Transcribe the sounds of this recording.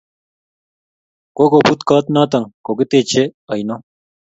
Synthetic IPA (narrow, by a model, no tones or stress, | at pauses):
kokobut̪kaːt̪naːt̪ɐŋkokit̪et͡ɕʰeɐjno